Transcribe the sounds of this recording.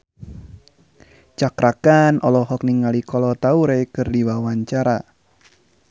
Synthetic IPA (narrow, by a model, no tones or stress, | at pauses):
t͡ʃakɾakanʔɔlɔɦɔk̚niŋalikɔlɔt̪auɾekɨrdiwawaɲt͡ʃaɾa